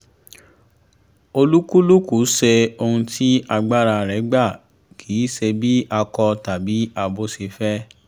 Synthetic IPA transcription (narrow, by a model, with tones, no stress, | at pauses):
o˧lu˦ku˦lu˦ku˨˦ʃe˧o˧hũ˧tʰi˦a˧ɡ͡ba˦ɾa˧ɾɛ˨˦ɡ͡ba˦˨ | kʰiː˨˦se˧bi˦ʔa˧kɔ˧ta˨bi˨˦a˧bo˦si˧fɛ˦